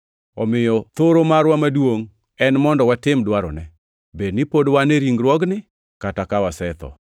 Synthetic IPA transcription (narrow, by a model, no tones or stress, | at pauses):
ɔmɪjɔt̪oɾomaɾwamadwoŋ | ɛnmɔndɔwatɪmdwaɾɔ̰nɛ | bednɪpodwaneɾiŋɡɾwɔɡnɪ | katakawasɛt̪ɔ̰